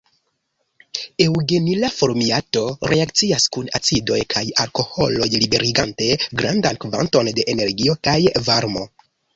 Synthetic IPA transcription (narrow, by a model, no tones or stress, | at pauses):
ewɡe̞nilafo̞ɾmiato̞ɾʔe̞akt͡siaskuna̰t͡sido̞jkʰajaɾko̞ho̞̰lo̞jlibe̞ɾiɡante̞ɡɾandankva̰nto̞nde̞ʔene̞ɾɡio̞kajvaɾmo̞̰